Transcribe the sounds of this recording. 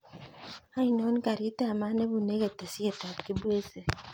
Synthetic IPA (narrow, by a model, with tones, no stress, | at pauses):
a˦i˨no˦ni˦ka˨ɾi˨˦te˦a˨ma˦ne˦βu˨ne˦ɣe˨te˨si˦e˨ta˨ki˦bwe˦se˨